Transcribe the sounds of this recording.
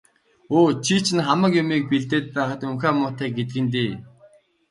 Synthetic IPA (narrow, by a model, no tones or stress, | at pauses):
oːt͡ɕʰit͡ɕʰɪ̆nχamə̆kjʊmiːk̚piɮt̪eːt̪̚pæːχə̆t̪ɵŋxæːmʊːt̪æːk̚ɡet̪̬ɘ̆ɡɘ̆nt̪̬eː